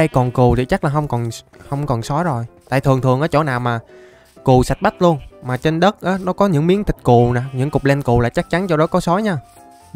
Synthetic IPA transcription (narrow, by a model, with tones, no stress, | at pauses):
ə˧jkɔ˨˩nku˨˩t̪ʰi˨˩t͡ɕa˦˥k̚laː˨˩ɦə˧wŋ͡mkɔ˨˩n | hə˧wŋ͡mkɔ˨˩nsɔ˨˦jzo˨˩jt̪a̰ː˧˨jt̪ʰɨ˨˩əŋt̪ʰɨ˨˩əŋʔaː˨˦t͡ɕo̰˧˩˦naː˨˩wmaː˨˩ | ku˨˩sa˨˩jt̚ɓa˦˥t̚lu˧ənmaː˨˩t͡ɕe˧nɗə˦˥t̚ʔaː˨˦nɔ˨˦kɔ˨˦ɲɨ̰˧˥ŋmi˨˦əŋt̪ʰï˨˩k̟̚ku˨˩naː˨˩ɲɨ̰˧˥ŋkʊ˨˩k͡p̚lɛ˧nku˨˩laː˨˩jt͡ɕa˦˥k̚t͡ɕa˨˦nt͡ɕɔ˧wɗɔ˨˦kɔ˨˦sɔ˨˦jɲaː˧